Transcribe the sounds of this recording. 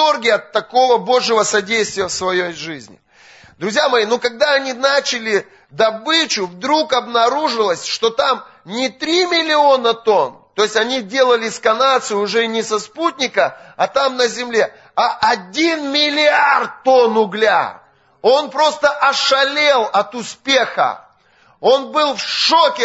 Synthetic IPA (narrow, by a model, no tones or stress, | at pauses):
orɡʲɪɐt̪ːɐko̞vəbo̞ʐjɪvəsɐdʲejst̪vʲɪjəfsvɐjejʐɨzʲnʲɪ̰ | d̪ɾʊzʲjamɐjinokɐɡ̚d̪aɐnʲinat͡ɕɪlʲɪ | d̪ɐbɨt͡ɕʊvd̪ɾukɐbnɐɾuʐɨlˠəsʲʂt̪o̞t̪amnʲɪt̪ɾʲimʲɪlʲɪo̞nət̪o̞nt̪o̞ɪsʲtʲɐnʲidʲe̞lˠəlʲɪskɐnat̪sɨjʊʊʐɛnʲɪsɐsput̚ʲnʲɪkəɐt̪amnəzʲɪmlʲe̞ | aʔɐdʲinmʲɪlʲɪart̪t̪ːo̞nʊɡlʲa̰ | o̞npɾo̞st̪əʔɐʂɐlʲe̞lˠɐt̪ʊspʲe̞xə̰ | o̞nbɨlˠfʂokʲɪ